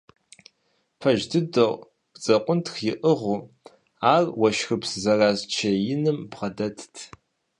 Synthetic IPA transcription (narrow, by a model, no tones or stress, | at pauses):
pʰɐʒdɨdoʁ̥ | t͡sʼɐqʷʼʊntʰxjɪʔəʁʷu | aːrwɐʃxɨpszɐraːzt͡ʃʰɐjɪnɨmbʁɐdɐtʰtʰ